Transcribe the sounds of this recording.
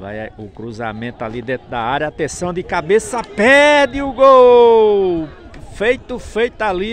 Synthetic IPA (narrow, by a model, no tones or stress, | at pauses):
va̰jaʊkɾuza̰mẽt̪ʊalid̪ẽt̪ɾʊd̪aaɾjɐːt̪ẽsɐ̃w̃d̪ɪkabesɐpɛd̪ɪʊɡow | fejt̪ʊfejt̪ali